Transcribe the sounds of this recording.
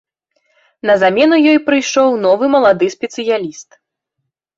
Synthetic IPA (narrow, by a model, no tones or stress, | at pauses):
nɐzamʲɛnujɔjpɾɨjʂɔwnɔvɨmɐlˠad̪ɨsʲpʲɛt̪sɨjalʲist̪